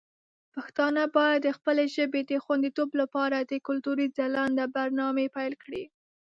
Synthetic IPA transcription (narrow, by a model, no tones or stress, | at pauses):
paxt̪ɑnabɑjad̪ːəxpəleʒəbed̪əxwand̪it̪oblapɑɾad̪əkʊlt̪uɾizalɑnd̪əbaɾnɑmepajlkɽi